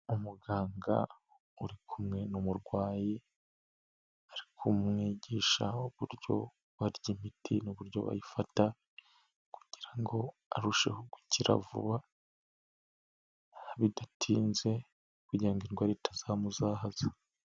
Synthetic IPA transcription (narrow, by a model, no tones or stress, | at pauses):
umuɡaːŋɡa̰ | uɾikʰumŋe̞numuɾɡwaːji | aɾikʰumŋiɟiːʃa̰uβuɾjo̞̰ | βaɾjimitinuβuɾjo̞̰βa̰jifata | ku̥ɟ̥iɾaŋɡo̞ | a̰ɾuʃe̞̰ho̞ɡwiciɾa̰vṵβa | βidatʰiːnze̞ | kuɟiɾaŋɡiɾɡwaɾetḁz̥aːmuzaːɦaza